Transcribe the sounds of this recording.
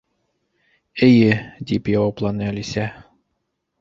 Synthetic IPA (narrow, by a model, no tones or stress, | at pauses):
ɘ̆jɘd̪ipjɑwɑplˠɑnɤælisæ